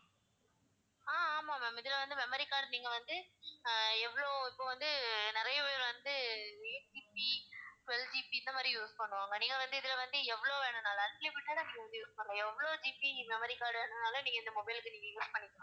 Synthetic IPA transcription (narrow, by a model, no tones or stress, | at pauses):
aːmaːmeːmɪðɪlɐʋɐnd̪ɯmɛmɐɾikːaːɾɽniːŋɡɐʋɐnd̪ɯ | ɛʋːɐɭoːɪpːoːʋɐnd̪ɯnɪɾɐjɐjɐɾʋɐnd̪ɯend͡ʒiːpit͡ʃʊɛld͡ʒipiɪnd̪ɐmaːd̪ɾijuːspɐɳːʊ̃aːŋɡɐniːŋɡɐʋɐnd̪ɯɪðɪlɐʋɐnd̪ɯɛʋːɐɭoːʋeːɳɐnaːlɐːnpepɪʈːaːlɐniːŋɡɐʋɐnd̪ɯjuːspɐɳŋɡɐɛʋːɐɭoːd͡ʒipimɛmɐɾikːaːɾɽeɳnaːlɐniːŋɡɐɪnd̪ɐmɔbɐɪlɯkːɯniːŋɡɐjuːspɐɳːɪkːɳõ